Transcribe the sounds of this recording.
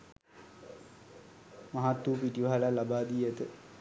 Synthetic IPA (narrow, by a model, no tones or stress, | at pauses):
maɦat̪ːupiʈiʋaɦalalabaːd̪iet̪ə